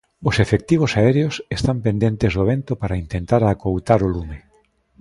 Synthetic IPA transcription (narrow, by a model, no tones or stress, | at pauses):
ʊsefek̚t̪iβ̞ʊsaɛɾeosest̪ampẽnd̪ent̪ezðoβ̞ent̪opaɾaint̪ent̪aɾakowt̪aɾolume